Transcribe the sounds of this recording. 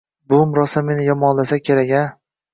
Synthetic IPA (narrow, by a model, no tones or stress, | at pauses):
bʊmɾɒsamenɪjɒmɒnlasakʲʰe̞ɾaɡʲa